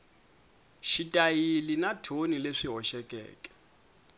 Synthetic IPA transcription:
ʃitʼajilinatʰonileʂiɦɔʃɛkʼɛ̰ːkʼɛ̥

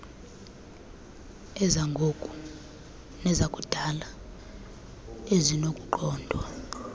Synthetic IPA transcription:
ɛzaŋɡʱokʼu̥ | nɛzakʼud̥ʱala | ezinokʼuǃɔːndʱwa

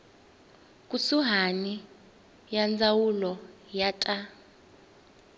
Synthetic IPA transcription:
kʼusuɦani | jand͡zawulɔjatʼa

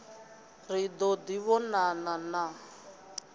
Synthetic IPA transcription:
rid̪ɔd̪iβɔnanana

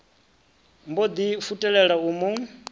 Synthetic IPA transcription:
mbod̪ifutʼɛɺɛɺauːmu

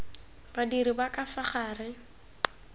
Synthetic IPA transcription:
badiɾibakʼafaχaːrɪ

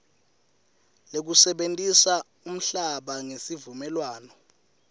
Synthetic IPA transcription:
lek̬usɛɓentʼisa | um̩ɬaɓaŋesivumɛlwaːnɔ

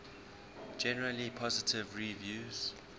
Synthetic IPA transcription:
d͡ʒɛnəɹəlipʰɔzɪtʰɪvɹivjuːz̥

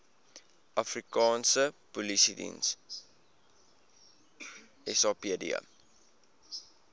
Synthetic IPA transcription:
ʔɐfrikɑːnsəpulisidḭns | ɛsɑːpiədḭə̰

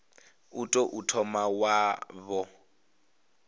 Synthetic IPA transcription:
utʼoʔutʰɔmawaβɔ

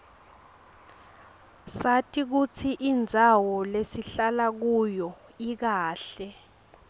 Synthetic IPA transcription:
satʰʼik̬ut͡sʰiʔind͡zʱawɔlesiɬalak̬ujɔik̬aːɬɛ

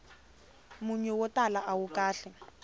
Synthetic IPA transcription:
mʊɲɛwɔtalaʔawukʼaːɬɛ

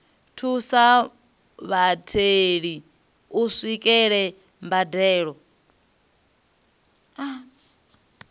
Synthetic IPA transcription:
tʰusa | βatʰeɺi | usʷikʼɛɺɛ | mbadɛːɺɔ | a

